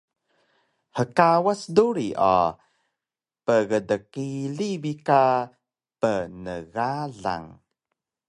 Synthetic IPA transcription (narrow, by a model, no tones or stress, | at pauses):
həkawasduɾiʔa̰ | pəɣədəkiɮibika | pənəɣaɮa̰ŋ